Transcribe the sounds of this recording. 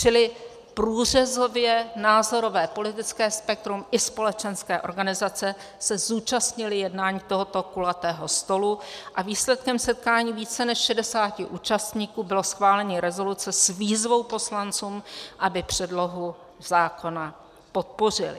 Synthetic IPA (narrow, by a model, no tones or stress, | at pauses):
t͡ʃɪlɪ | pɾuːr̝ɛzo̞vjɛnaːzo̞ɾo̞vɛːpo̞lɪt̪ɪt͡skɛːspɛk̚t̪ɾumʔɪspo̞lɛt͡ʃɛnskɛːʔo̞ɾɡanɪzat͡sɛ | sɛzuːt͡ʃast̪ɲɪlɪjɛdnaːɲiːt̪o̞ɦo̞t̪o̞kulat̪ɛːɦo̞st̪o̞luʔaviːslɛt̪kɛmsɛt̪̚kaːɲiːviːt͡sɛnɛʃʃɛdɛsaːcɪʔuːt͡ʃast̪ɲiːkuːbɪlo̞sxvaːlɛɲɪɾɛzo̞lut͡sɛsviːzvo̞wpo̞slant͡suːmʔabɪpr̝̥ɛdlo̞ɦu | z̥aːko̞na | po̞t̪̚po̞r̝ɪ̰lɪ̰